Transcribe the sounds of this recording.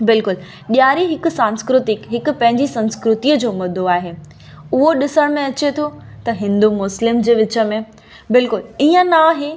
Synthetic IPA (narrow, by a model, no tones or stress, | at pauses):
bɪlkʊl | ɓijaːɾiɦɪkʊ̆sãːnskɾʊt̪ɪkɦɪkʊ̆pɐ̃ɦɪ̃ɲd͡ʑisɐ̃nskɾʊt̪iəd͡ʑoːmɐd̪ʱoaːɦeː | ʊɦoɗɪsəɽ̃mẽɐt͡ɕet̪ʰot̪ɐɦɪ̃nd̪umʊslɪmd͡ʑeːʋɪt͡ɕə̆mẽ | bɪlkʊliːə̃naːɦe